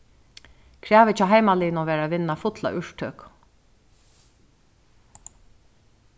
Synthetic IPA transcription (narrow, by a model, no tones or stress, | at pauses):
kʰɾæːʋɪt͡ɕʰaːɦajmaliːnɔʋɛːɾaʋɪnːafʊt̪la̰ʔʏʂt̪ʰøːk